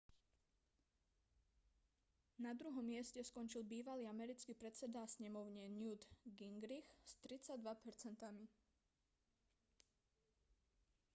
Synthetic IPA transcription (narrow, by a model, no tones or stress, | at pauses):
nad̪ɾuɦɔmːɪɛscɛskɔnt͡ʃilbiːʋaliːamɛɾit͡skiːpɾɛt͡sɛd̪asɲɛmɔʊɲɛnjud̪ɡiŋɡɾixst̪ɾit͡saɟd̪ʋapɛɾt͡sɛnt̪ami